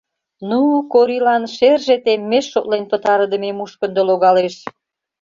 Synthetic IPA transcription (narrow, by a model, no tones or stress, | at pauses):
nukoɾilɑnʃerʒet̪emːeʃːot̪lenpət̪ɑɾəd̪ə̆memuʃkə̆nd̪oloɣɑleʃ